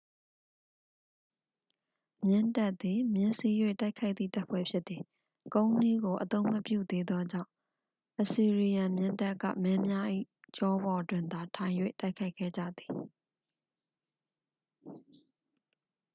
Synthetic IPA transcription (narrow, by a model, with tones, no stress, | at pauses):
mjɪ̃˦nta˦ʔt̪̚ːi˨mjɪ̃˦nsi˦jwḛ˦˨ta˦ɪkʰa˦ɪʔt̪̚θḭ˦˨ta˦ʔpʰwɛ̰˦˨pʰjɪ˦t̪t̪ːi˨ | kõ˦ʊ̃ni˦ɡo˨ʔət̪õ˦ʊ̃mə˦pjṵ˦˨d̪e˦d̪ðwɔ˦d͡ʑã̰˦˨ʊ̃ | ʔəsi˨ɹi˨jã˨mjɪ̃˦˨nta˦kːä̰˦˨mɛ˦mja˦ʔḭ˦˨ | t͡ɕɔ˦bɔ˨dwɪ̃˨nd̪a˨tʰã˨ɪ̃jwḛ˦˨ta˦ɪkʰa˦ɪkʰːɛ̰˦˨d͡ʑä̰˦˨d̪i˨